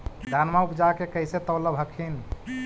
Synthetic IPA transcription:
dd̪ʱanmaupd͡ʒakekəjset̪əwləbɦəkʰin

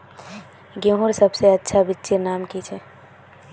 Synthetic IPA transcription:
ɡẽɦuɾsəbseɐtːʃʰabɪtːʃinaːmkit͡ʃʰɛ

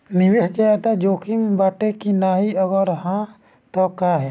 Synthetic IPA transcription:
niwesd͡ʒaɛt̪ad͡ʒokʰimbaʈekinaɦiɔɡɔɾɦã | t̪ɔkaɦɛ

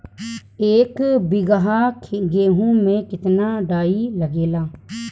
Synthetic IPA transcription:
eːkbɪɡəɦaːkʰɡeːɦũːmẽːkɪt̪naːɖaːiːləɡeːlaː

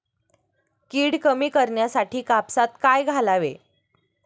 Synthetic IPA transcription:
kiːɽkəmiːkəɾɳjasaʈiːkapsat̪kajɡʱalaʋḛ

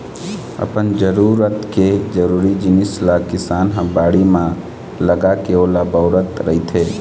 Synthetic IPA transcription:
ə̰pənd͡ʒəɾuːɾət̪ked͡ʒəɾuːɾid͡ʒɪnɪslakɪsaːnɦãbaːɽimã | ləɡakeoːlabəʊɾət̪ɾəɦit̪ʰeː

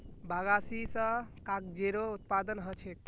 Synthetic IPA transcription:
baɡasisə̃kakd͡ʒeɾout̪̚pad̪ənɦət͡ʃʰek̪̚

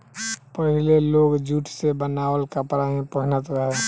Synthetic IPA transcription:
pəɦileloːɡd͡ʒuːʈʰsebənaːwəlkəpɾaɦẽpəɦnət̪ɾɦɛ

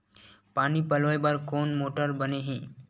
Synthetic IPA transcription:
panipəlojbaɾkonmoʈəɾbəneɦẽ

